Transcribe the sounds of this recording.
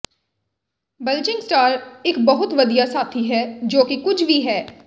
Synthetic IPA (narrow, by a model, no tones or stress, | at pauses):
bəlt͡ʃɪ̃ŋɡsʈaːɾɪkbəɦʊt̪ʋəd̪ijaːsaːt̪ʰiːɦɛːd͡ʒoːkɪkʊt͡ʃʰʋiːɦɛː